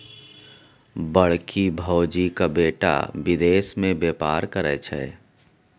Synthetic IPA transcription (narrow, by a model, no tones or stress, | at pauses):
bəɽkibʱɔːd͡ʒikabeːʈa̰ʋɪd̪eːsmẽbeːpa̰ːɾkəɾɛt͡ʃʰɛ̰ː